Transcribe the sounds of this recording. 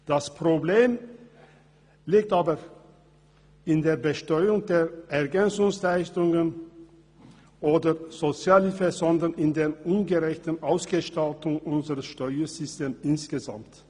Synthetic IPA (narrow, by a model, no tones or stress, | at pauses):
d̥aspʁ̥obleːm | liːk̚taːbɐ | ɪndeːɐbəʃtɔʏʊŋdeːɐʔɛɐɡɛnt͡sʊŋslaɪstʊŋən | ʔoːdəz̥ot͡sjaːlifɛzɔndɐnɪndeːɐʊnɡəʁɛçtən̩ʔaʊsɡ̥əʃtaltʊŋʔʊnzəʁəsʃtɔʏɐzʏstʰeːmɪnsɡ̥əza̰mt